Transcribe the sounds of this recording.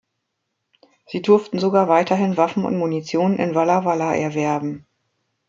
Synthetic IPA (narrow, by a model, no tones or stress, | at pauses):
z̥iːdʊɐftn̩zoɡaːɐvaɪtʰɐɦɪnvafn̩ʊ̰ntmunit͡sjoːnənɪ̰nvalavalaʔɛ̰ɐvɛɐbm̩